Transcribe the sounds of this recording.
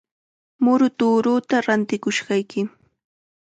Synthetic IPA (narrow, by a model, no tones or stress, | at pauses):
mʊɾʊt̪uːɾʊt̪aɾant̪ɪkʊʃɢɑjkɪ